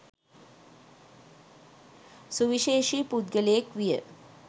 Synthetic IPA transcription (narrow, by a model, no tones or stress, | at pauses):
suʋiʃeːʃipud̪ɡəlejekʋijə̰